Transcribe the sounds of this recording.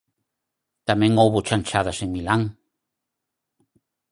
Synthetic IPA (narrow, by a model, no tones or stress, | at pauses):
t̪amẽŋowβot͡ʃanʲt͡ʃaðaseŋmilãŋ